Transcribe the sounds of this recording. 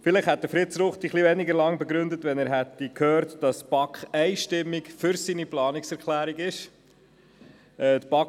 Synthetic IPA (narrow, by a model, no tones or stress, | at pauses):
fɪlɪχhɛt̚d̥̪əfɾɪtsɾʊχt̪iχliʋɛniɡəɾlɑŋbɛɡɾʏndətʋɛnæːɾɦɛtːikʰhøːɾtd̥ɑstb̥ɑkχɛɪʃtɪmːikfʏɾsiniplɑːnɪksɛɾkʰlæːɾiɡɪʃ | ɛːtpɑ